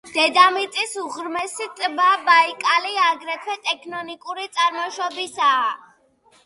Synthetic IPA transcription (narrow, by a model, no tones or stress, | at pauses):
d̪̥ɛd̪amit̪sʼisuʁɾmɛsit̪ʼbabaikʼaliaɡɾɛt̪ʰwɛt̪ʼɛkʰnɔnikʼuɾit̪sʼaɾmɔʃɔbisaː